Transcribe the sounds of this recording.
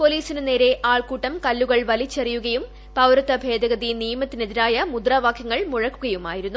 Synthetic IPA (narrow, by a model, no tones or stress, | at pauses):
poliːsinɨne̞ːɾe̞ʔaːɭkuːʈːɐmkɐlːuɣɐɭʋɐlit͡ɕːɐrijuɣɐjum | pɐʋɾɐt̪ːɐbʱe̞ːd̪ɐɣɐðinijmɐt̪ːineðiɾaːjɐmud̪raːʋaːkʰjɐŋːɐɭmuɻɐkːuɣɐjumaːjiɾunːu